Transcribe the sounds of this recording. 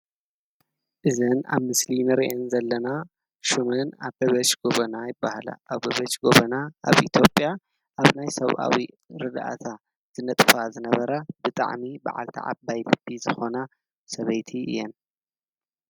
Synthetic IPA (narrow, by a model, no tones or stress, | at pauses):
ʔɨzɨna̰βmɨslinɨɾiʔenzɐlːɐna | ʃumɨnaβɡɐβɐt͡ʃɡ̥oβɐnajɪbːahala̰ʔaβɐβɐt͡ʃɡoβɐnaaβʔit̪ʰjopʼja | ʔaβnajsɐβʔa̰wi | ɾɨd̪ʔa̰t̪ʰa | z̥ɨnɐt̪ʼfazɨnɐβɐɾabɨt̪ʼa̰ʕmiba̰ʕa̰lt̪ʰḭʕa̰bːajlɨbːizɨxo̞na | sɐβɐjt̪ʰiɨ̰jːɛn